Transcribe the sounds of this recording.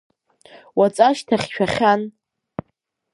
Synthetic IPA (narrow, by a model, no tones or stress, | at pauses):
wat͡sʼaʃtʰaχʲʃᶣaχʲan